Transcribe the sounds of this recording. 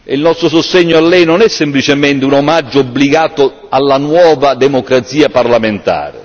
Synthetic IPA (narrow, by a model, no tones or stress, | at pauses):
ilnɔst̪ɾʊsʊst̪ɛɲːʊalːɛjnɔnɛsːɪmplit͡ʃɪmɛnt̪ɪunomad͡ʒːʊobːliɡaːt̪ʊ | alːanwɔːvad̪ɛmokɾat̪siːaparlament̪a̰ːɾɪ̰